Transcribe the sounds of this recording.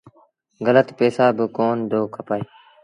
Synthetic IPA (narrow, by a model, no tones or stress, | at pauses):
ɣələt̪pɛːsaːbəkoːnd̪oːkʰəpaːeː